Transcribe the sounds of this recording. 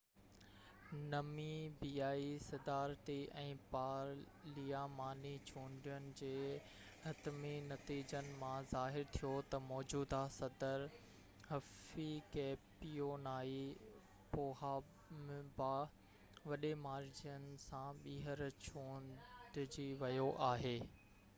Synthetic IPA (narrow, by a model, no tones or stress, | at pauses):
nɐmibiːaːisɐd̪aːɾt̪iʔɛ̃ːpaːɾ | lijamaːnit͡ɕʰũːɳɖijənɪ̆d͡ʑeː | hɐt̪minɐt̪iːd͡ʑənɪ̆mãzaːɦɪɾt̪ʰijot̪ɐmɔːd͡ʑuːd̪asɐd̪əɾ | hɐfikeːpijonaːi | poːɦaː | mba | ʋɐɗemaːɾd͡ʑiənɪ̆sãɓiːɦəɾt͡ɕʰũːnɖɪd͡ʑiʋɐjoʔaːɦeː